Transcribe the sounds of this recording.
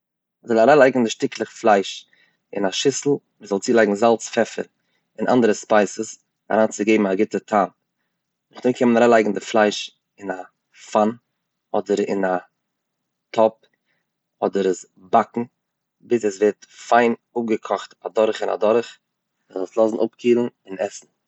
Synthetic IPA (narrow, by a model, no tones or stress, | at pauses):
ɔzɔlˠaɾaːlˠaɪɡŋ̩dɪʃtɪklˠəχflˠaɪʃ | ɪ̰naʃɪsl̩ˠ | mizɔlˠt͡siːlˠaɪɡŋ̩zalˠt͡sfɛfə̰ɾ | ɪnʔa̰ndəɾəspaɪsəs | a̰ɾaːnt͡sɪɡeɪbm̩aɡɪtətʰaːn | nʊχdoɪkʰɛmnaɾaːlˠaɪɡŋ̩dɪflˠaɪʃ | ɪna | fan | ɔdəɾɪ̰na | tʰɔp̚ | ɔdəɾɛs | bakŋ̩ | bɪsɛsvɛtfaɪnʊp̚ɡəkʰɔχtadɔɾχɪna̰dɔɾχ | əzɔlˠslˠɔsn̩ʔʊpkʰiːlˠən̩ɪnɛsn̩